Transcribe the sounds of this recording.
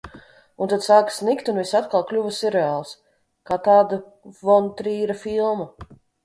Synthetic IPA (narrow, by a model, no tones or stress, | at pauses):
unt̪ad̪saːksnikt̪unvisat̪kalˠklʲuvəsiɾɛaːlˠs | kaːt̪aːd̪a | vɔnt̪ɾiːɾɐfilˠmɐ